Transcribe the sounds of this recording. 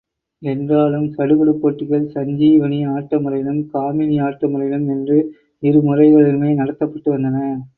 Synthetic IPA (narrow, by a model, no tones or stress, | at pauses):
ɛndraːlɯmsɐɽɯɣɐɽɯpːoːʈːɯɣɐɭsɐɲd͡ʒiːʋɐniaːʈːɐmɯɾɐjɪnɯmkaːmɪniaːʈːɐmɯɾɐjɪnɯmɛndrɯ | ɪɾɯmɯrɐɪɣɐɭɪlɯmeːnɐɽɐt̪ːɐpːɐʈːɯʋɐnd̪ɐnɐ